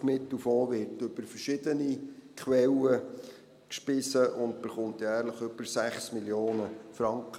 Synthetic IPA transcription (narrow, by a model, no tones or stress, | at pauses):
mɪt̪əfoːʋɪɾtɵb̥əɾfərʃɪd̪ənikχwɛlə | kʃpɪsəʔʊnd̚b̥əχʊntjæːɾləχʏb̥əɾsæχsmiljoːnəfɾɑŋkχə